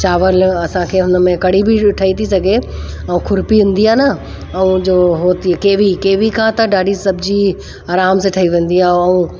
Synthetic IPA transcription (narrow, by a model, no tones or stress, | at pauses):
t͡ɕaːʋəlɐsãkʰeːɦʊnə̆mẽkɐɽ̤ibɪʈʰɐit̪ʰisɐɡe | ɐũːkʰʊɾpiʋẽːnd̪iaːnɐ | ɐũd͡ʑoːɦoːt̪ikeːʋikeːʋikʰãt̪ɐɖaːɖisɐbʱɪd͡ʑi | aːɾaːmsẽʈʰɐiʋẽːn̆d̪iaːɐũ